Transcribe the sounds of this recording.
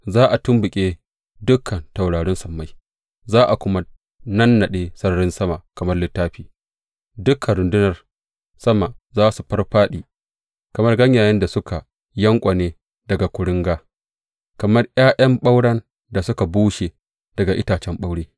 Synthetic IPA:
zaː˦ʔa˨tʊ˦mbʊ˨kʲʼeː˦ | dʊ˦kʰːɐ˨nta˨wɽaː˨ɽɪ˦nsɐ˨mːa˦j | zaː˦ʔa˨kʷʊ˦ma˦ | nɐ˦nːɐ˨ɗeː˦sɐ˦rɽɪ˦nsɐ˦ma˨kɐ˨mɐ˦rlɪ˦tːaː˦ɸiː˨ | dʊ˦kʰːɐ˨nɾʊ˨ndɪ˦nɐ˨r | sɐ˦ma˨zaː˦su˨ɸɐ˦rɸaː˦ɗiː˨ | kɐ˨mɐ˦rɡɐ˦ɲjaː˨jɪ˦nda˨sʊ˦kʰa˨ | jɐ˦ŋkʷʼɐ˨neː˦ | dɐ˨ɡa˨kʷʊ˨ɽʊ˦ŋɡaː˦ | kɐ˨mɐ˦rj̰aː˦jɐ˦mɓa˦wɽɐ˦n | da˨sʊ˦ka˨buː˦ʃe˨ | d̥ɐ˨ɡa˨ʔɪ˦taː˨t͡ʃɛ˦mɓa˦wɽeː˦

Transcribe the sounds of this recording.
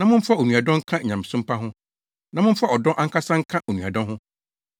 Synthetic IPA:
nã˨mʊ̃˦m̩˦fa˦˨o˨nũ˨a˨dɔ̃˦ŋ̩˦kʰã˦˨ɲã˨m˨sʊ̃˦m̩˦pʰa˦ɦʊ̃˦ | nã˨mʊ̃˦m̩˦fa˦ɔ˨dɔ̃˦ʔã˦ŋ˦ka˦sã˦ŋ̩˦kʰã˦ʔo˨nũ˨a˨dɔ̃˦ɦʊ̃˦

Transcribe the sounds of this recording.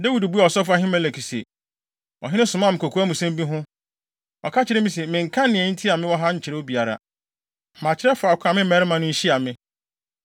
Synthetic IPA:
da˦wi˨dbu˦ɛ˨ɔ˨sɔ˦fʊ˦a˦ɦɪ̃˦mɛ̃˦˨lɛ˨kʰi˨sḛ˨ | ɔ̰˨ɦɪ̃˦nɪ̃˦sʊ̃˨mã˦˨mɪ̃˨kʰo˨kʰu˦a˦mũ˨sɛ̃˦mbĩ˦ɦʊ̃˦ | ɔ˨kʰa˦t͡ɕʰɪ˨ɾɛ˦mĩ˦se˨mɪ̃˨ŋ̩˨kʰã˦nɪ̃˨ɛ˨˦n̩˦tʰi˦a˨mɪ̃˦wɔ˦ɦa˦ɲ̩˨t͡ɕʰɪ˨ɾɛ˦o˦bi˨a˨ɾa̰˨ | mã˨t͡ɕʰɪ˨ɾɛ˦fʊ˨a˨kʰa˨mɪ̃˦m̩˦ɛ˨˦ɾɪ˦mã˨nʊ̃˦ɲ̩˦ɕi˦a˨mɪ̃˦

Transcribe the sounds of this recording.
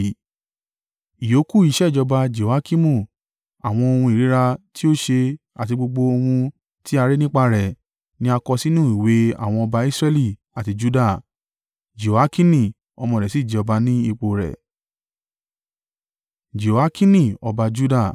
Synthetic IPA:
i˨jo˨˦ku˦˨i˨˦ʃɛ˦˨d͡ʒɔ˧ba˧d͡ʒe˨a˦ki˦mũ˦˨ | a˨w̃ɔ̃˧o˧hũ˧i˨ɾi˨˦ɾa˧ti˦o˦ʃe˧ | a˨ti˧ɡ͡bo˧ɡ͡bo˧o˧hũ˧ | ti˦a˧ɾe˦nĩ˦k͡pa˧ɾɛ˨ | nĩ˦a˧kɔ˧si˦nũ˦˨i˨we˨˦a̰˨w̃ɔ̃˧ɔ˧ba˧i˦sɾɛ˦li˦˨ | a˨ti˧d͡ʒu˦da˦˨ | d͡ʒe˨a˦kĩ˦nĩ˦˨ | ɔ˧mɔ̃˧˨ɾɛ˨si˦˨d͡ʒi˨ɔ˧ba˧nĩ˦i˦˧k͡po˨ɾɛ̰˨ | d͡ʒe˨a˦kĩ˦nĩ˦˨ɔ˧ba˧d͡ʒu˦da˦˨

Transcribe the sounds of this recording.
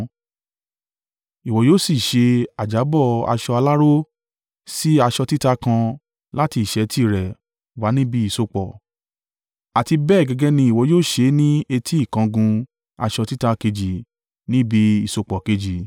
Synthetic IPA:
i˨wɔ˨joː˦˨si˨ʃe˧a˨d͡ʒa˨˦bɔ˦˨a̰˧ʃɔ˧a˧la˦ɾo˦ | si˦a˧ʃɔ˧ti˦ta˧kã˧ | la˦ti˧i˨ʃɛ˨˧tʰi˦˨ɾɛ˨ | wa˨˦nĩ˦bi˧˦i˦˨so˧k͡pɔ˨ | a˨ti˧bɛ˦˨ɡɛ˧ɡɛ˦nĩ˧i˨wɔ˨˧joː˦˨ʃe˧˦nĩ˦e˧tʰi˦i˦˨kã˧ɡũ˧ | a̰˧ʃɔ˧ti˦ta˧ke˧d͡ʒi˨ | nĩ˦bi˧˦i˨so˧k͡pɔ˨ke˧d͡ʒi˨

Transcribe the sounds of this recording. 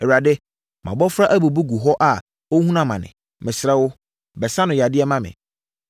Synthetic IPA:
ɛ˨wu˨a˨dɪ˦ | mã̰˨bɔ˦fɾa˦ʔæ˦bu˨bu˦ɡu˨ɦɔ˦ʔa˨ | o˦hũ˦nã˦mã˨nɪ̰̃˨ | mɪ̃˨sɾɛ˦wʊ˦ | bɛ˨sa˦nʊ̃˨ja˨dɪ˦ɛ˦mã˦mɪ̰̃˨

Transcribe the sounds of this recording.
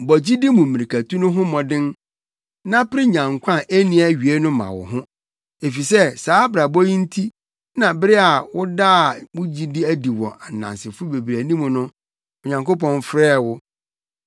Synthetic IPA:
bɔ˨d͡ʑi˦di˦mũ˨mĩ˨ɾi˨kʰæ˨tũ˦nʊ̃˦ɦʊ̃˦mɔ̃˨dɪ̃˦n | nã˦pɪ˦ɾɪ˦ɲã˨ŋkʷʰã˦˨ʔe˦nĩ˦æ˨ɥi˨e˦nʊ̃˦mã̰˨wɔ̰˨ɦʊ̃˦ | e˨fi˨sɛ˦˨saː˨˦bɾa˨bɔ˦jĩ˦n̩˦tʰi˦ | nã˨bɪ˦ɾɪ˦a˨wʊ˦da˦˨mʊ˦d͡ʑi˦dɪ˦æ˦di˨wɔ̰̃˨ʔa˨n˨nã̰˨nsɪ˨fʊ˦be˨bɾæ˨nĩ˦mũ˨nʊ̃˦ | ɔ˨ɲã˨ŋko˦p̬ɔ̃˦nfɾɛː˦˨wʊ˦

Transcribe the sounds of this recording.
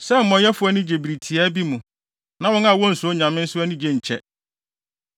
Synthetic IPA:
sɛ˦m̩˨mɔ̃˨jɛ˦fʊ˦ɛ˦nʊ̃˦d͡ʑe˨bi˨ɾi˨tʰi˨a˦bi˦mũ˨ | nã˦wɔ̃˦na˨wɔ̃˦n̩˨sʊ˨˦o˦ɲã˨mɪ̃˦n̩˦sʊ˦æ˦nʊ̃˦d͡ʑe˨ɲ̩˨t͡ɕʰɛ˦

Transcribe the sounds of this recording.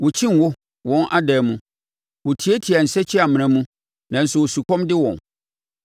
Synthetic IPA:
wʊ˨t͡ɕʰĩ˦n˨wʊ˦ | wɔ̃˦nʔa˦dɛː˨mũ˦ | wʊ˨tʰi˨˦e˦tʰi˨a˨n̩˨sɛ˦t͡ɕʰɪ˦a˨m̃˨ɾ̃ɛ̃˨˦mũ˦ | nã˨n̩˨sʊ˨wo˨su˨kʰɔ̃˦mdɪ˦wɔ̃˨n

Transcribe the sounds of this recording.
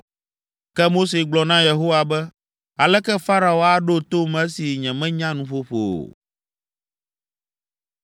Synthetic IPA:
kɛ˦mo˦s̬e˨ɡ͡blɔ˨nã˦je˨ɦo˦wa˨bɛ˦ | a˨lɛ˦kɛ˦fa˦ɾa˨o˦a˦ɖo˦t̪o˦mɛ̃˦si˨ɲɛ̃˨mɛ̃˦ɲã˦nũ˦˨ɸo˦ɸo̰˨

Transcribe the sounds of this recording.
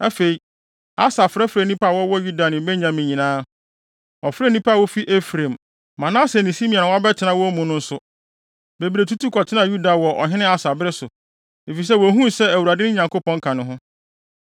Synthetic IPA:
æ˦fe˨i˨ | a˦sa˨fɾɛ˦fɾɛ˨nĩ˦pa˦a˨wɔ˦wɔ˦ju˦da˨nɪ̃˨˦bɛ˦ɲã˨mĩ˨ɲĩ˨nãː˦ | ɔ˨fɾɛ˦nĩ˦pa˦a˨wɔ˦fi˦ʔe˦fɾẽ˨m | mã˨nã˦sɛ˨nĩ˨si˦mĩ˨a˨ʊ̃˨wa˦bɛ˦tʰɪ˨nã˦wɔ˦mũ˨nʊ̃˦n̩˦sʊ˦ | be˨biɾe˨tʰu˦tʰu˦kʰɔ˨tʰɪ˦nã˨ju˦da˨wɔ˨ʔɔ̰˨ɦɪ̃˦nɪ̃˦a˦sa˨bɾɪ˦sʊ˨ | e˨fi˨s̬ɛ˦wɔ˨ɦũ˦sɛ˦æ˨wu˨ɾa˨dɪ˦nɪ̃˦ɲã˨ŋko˦pʰɔ̃˦ŋ̩˦kʰã˨nʊ̃˦ɦʊ̃˦

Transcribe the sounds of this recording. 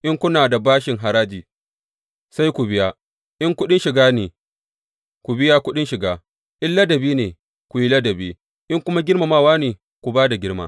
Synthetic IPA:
ʔɪ˦ŋkʷʊ˦naː˨da˨baː˦ʃɪ˨ŋɦa˨ɾaː˦d͡ʒiː˨ | sa˦jkʷu˨bɪ˦jaː˦ | ʔɪ˦ŋkʷʊ˦ɗɪ˦nʃɪ˨ɡaː˦neː˨ | kʷu˨bɪ˦jaː˦kʷʊ˦ɗɪ˦nʃɪ˨ɡaː˦ | ʔɪ˦lːɐ˦dɐ˨biː˦neː˨ | kʷu˨ji˦lɐ˦dɐ˨beː˦ | ʔɪ˦ŋkʷʊ˦ma˦ɡʲɪ˦ɽma˨maː˦˨waː˦neː˨ | kʷu˨baː˦da˨ɡʲɪ˦ɽma̰ː˦

